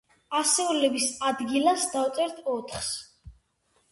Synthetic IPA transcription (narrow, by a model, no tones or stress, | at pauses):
asɛulɛbisad̪ɡilasd̪awt̪sʼɛɾt̪ʰɔt̪ʰχs